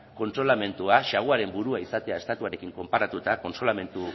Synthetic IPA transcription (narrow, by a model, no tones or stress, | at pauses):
ko̞nt̪ɾo̞lame̞nt̪uaʃaɣuaɾe̞mbuɾuaisat̪e̞ae̞st̪at̪uaɾe̞kiŋko̞mpaɾat̪ut̪ako̞nsɾolame̞nt̪u